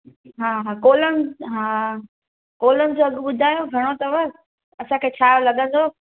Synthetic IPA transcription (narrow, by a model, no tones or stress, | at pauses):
ɦaːɦakoːlənɪ̆ɦaː | koːlənɪ̆d͡ʑoɐɡɓʊd̪ʱaːjoɡʱɐɽ̃ot̪ɐʋɐ | ɐsãkʰeːt͡ɕʰaːjolɐɠə̃nd̪ʱoː